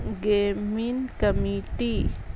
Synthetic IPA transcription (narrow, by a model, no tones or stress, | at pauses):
ɡeminkamit̪i